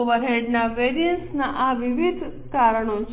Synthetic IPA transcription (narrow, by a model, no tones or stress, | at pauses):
oʋəɾɦeɖnaʋeɾijənsnaʔaʋiʋid̪ʱ | kaɾəɳ̃ot͡ʃʰ